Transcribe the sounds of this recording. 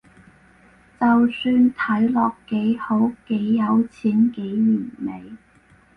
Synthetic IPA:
t͡sɐ˨wsyː˧nt̪ʰɐ˨˥jlɔː˨kːe˨˥jho˨˥wke˨˥jːɐ˨˧wt͡sʰiː˨˥nke˨˥jlyː˨˩nme˨˧j

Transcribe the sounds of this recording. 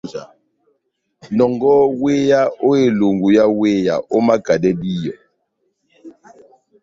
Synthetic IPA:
a˨ | nɔ˨ŋɡɔ˦we˦ja˦o˦e˨lo˨ŋɡu˨ja˦we˦ja̰˨ʔo˦ma˦ɡ̥a˨dɛ˦di˦jɔ˨

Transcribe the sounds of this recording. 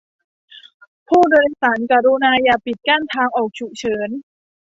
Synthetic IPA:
pʰuː˥˩dɤː˧nsaː˩˦nka˧˩ɾu˧naː˧jaː˧˩pi˨˩t̪̚kaː˥˩nt̪ʰaː˧ŋʔɔː˨˩k̚t͡ɕʰu˨˩t͡ɕʰɤː˩˦n

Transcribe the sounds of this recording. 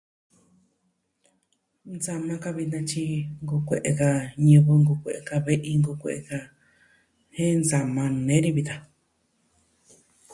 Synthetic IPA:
nd͡za˧mã˧ka˧βi˧nã˧t͡ʃi˧ŋɡu˧kʷe˨ʔe˧ka˧ɲɨ̃˧βɨ˧ŋɡu˧kʷe˨ʔe˧ka˧βe˦ʔi˧ŋɡu˧kʷe˨ʔe˧˨ka˧ | hẽ˦nd͡za˧mã˧nẽ˦ɾi˧βi˧t̪a˧

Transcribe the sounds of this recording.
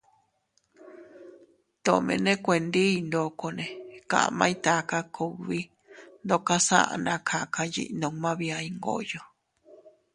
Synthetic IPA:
t̪o˨mḛ̃˧nẽ˦kʷẽ˧nd̪i˦˧nd̪o˨ko˧nẽ˨kã̰˨ʔmã˦ĩ˦t̪a˧˦ka˦kʰu˧βi˦ | nd̪o˧ka˦sã̰˦ʔa̰˧˨nã˧kʰa˧ka˧jḭ˧ʔnõ˧˨ŋmã˦βi˧a˧i˧ŋɡo̰˦ʔjo˧˨

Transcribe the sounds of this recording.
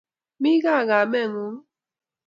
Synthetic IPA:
mi˦ɣa˦˨ɣa˨mɛ˦˨ŋu˨˦ŋ

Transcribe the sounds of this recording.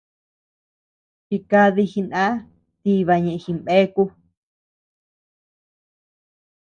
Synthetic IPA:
t͡ʃi˧ka˧ði˧xi˧nã˦ | t̪i˦βa˧ɲẽ˨ʔxi˧mbe˦ku˧

